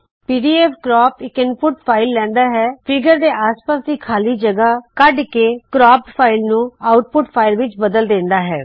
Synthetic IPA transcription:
piːɖiːɛːpʰkɾɔːpɪkɪnpʰʊʈpʰaːɪlːɛ̃ːnd̪aːɦɛːpʰɪɡəɾd̪eːʔaːspaːsd̪iːkʰaːliːd͡ʒəɡaːkəɖkeːkɾɔːppʰaːɪlnũːaːʊʈpʊʈpʰaːɪlʋɪt͡ʃbəd̪əld̪ẽːnd̪aːɦɛː

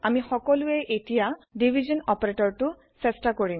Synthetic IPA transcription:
amixɔkɔlʊɛʔetijadibʱizɔnɔpɔɹetɔɹtʊ | sɛstakoɹi

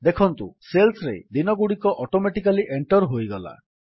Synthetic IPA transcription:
d̪ekʰɔnt̪uselsɔɾejd̪inɔɡuɽikɔʔɔʈomeʈikaliʔeɳʈɔɾɦojɡɔla̰

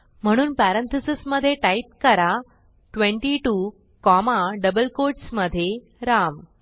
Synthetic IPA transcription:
m̤əɽ̃uːnpæɾənt̪ʰəsisməd̪ʱjeʈaip̚kəɾa | ʈʋẽɳʈiʈu | kɔmaɖəbəlkoɾʈsməd̪ʱje | ɾam

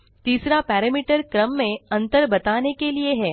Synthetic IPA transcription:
t̪iːsɾapɛːɾɛmiːʈəɾkɾəmːẽɐ̃nt̪əɾbɐt̪aːnekelieɦɛː

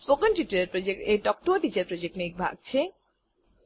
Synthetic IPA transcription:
spokənʈjuʈɐɾeɾpɾod͡ʑek̚ʈeʈɔk̚ʈoːʈit͡ɕeɾpɾod͡ʑek̚ʈnejk̚bʱa̰ɡ̚t͡ɕʰe

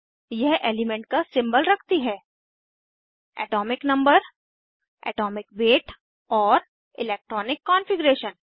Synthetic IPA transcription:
jɛɦeːlɪmɛ̃ɳʈ̚kasɪ̃mbəlɾɐkʰt̪iɦɛː | ɛ̰ːʈɔːmɪknɐ̃mbəɾ | ɛ̰ːʈɔːmɪkʋeːʈ | ɔːɾ | ɪleːk̚ʈɾɔːnɪkːɔːnfɪɡɾeːʃən

